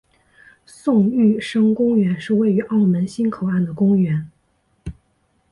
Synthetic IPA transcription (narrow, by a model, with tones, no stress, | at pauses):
sʊ˥˧ŋy˥˩ʂɤ˥ŋkʊ˥ŋɥɛ˧˥nʂɻ̩˥˧we˥˩ɪy˧˥ʔɑ˥˩ʊmə˧˥nɕi˥nkʰo˨˩ʊa˥˩nd̪ə˩kʊ˥ŋɥɛ˧˥n